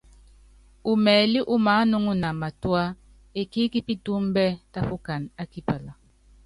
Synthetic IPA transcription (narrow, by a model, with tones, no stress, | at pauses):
u˨mɛː˨li˦ʔu˦ma˨˦nu˦ŋu˦na˨ma˨twa˦ | e˨ki˦ki˦pi˦tu˦m˦bɛ˦ta˦fu˦ka˨na˦ki˦pə˨la˨